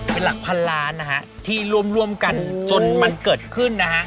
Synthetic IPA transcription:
pe˧nla˨˩k̚pʰa˧nlaː˧˥na˦˥kʰa˦˥ʔt̪ʰiː˥˩ɾu˥˩əmɾu˥˩əmka˧nt͡ɕo˧nma˧nkɤː˨˩t̪̚kʰɯ˥˩nːa˦˥kʰa˦˥ʔ

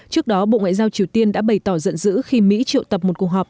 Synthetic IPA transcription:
t͡ɕɨ˦˥ək̚ɗɔ˨˦ɓo̰˧˨ŋa̰ː˧˨jzaː˧wt͡ɕi˨˩əwt̪i˧ənɗa̰ː˧˥ɓə˧˩jt̪ɔ˧˩zə̰˧˨nzɨ̰˧˥xi˧mḭ˧˥t͡ɕi˧˨ə̰˨wt̪ə˨˩p̚m˨˩t̚ku˨˩ək̚ɦɔː˨˩p̚

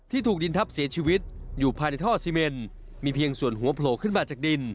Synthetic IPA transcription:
t̪ʰiː˥˩t̪ʰuː˨˩i˧nt̪ʰa˦˥p̚si˨˩˦t͡ɕʰiː˧wi˦˥t̪̚juː˨˩pʰaː˧jna˧t̪ʰɔː˥˩siː˧me˧n | miː˧pʰi˧əŋsu˨˩ənɦu˩˦ɐpʰloː˨˦kʰɯ˥˩nbaː˨˩t͡ɕaː˨˩k̚di˧n

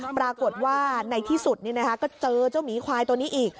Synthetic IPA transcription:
pɾaː˧ko˨˩t̪̚waː˥˩na˧jt̪ʰiː˥˩su˨˩t̪̚niː˥˩na˦˥kʰa˦˥kɔː˥˩t͡ɕɤː˧t͡ɕa˥˩wniː˨˦kʰaː˧jt̪u˧niː˦˥ʔiː˨˩k̚

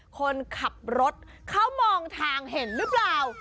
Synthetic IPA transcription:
kʰo˧nkʰa˨˩p̚ɾo˦˥t̪̚ | kʰa˦˥˩wmɔː˧ŋt̪ʰaː˧ŋɦe˨˩˦nɾɯ˦˥plaː˨˩w

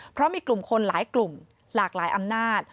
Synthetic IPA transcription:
pʰɾɔ˦˥miː˧klu˨˩mkʰo˧nlaː˩˦jklu˨˩m | laː˨˩k̚laː˩˦jʔa˧mnaː˥˩t̪̚

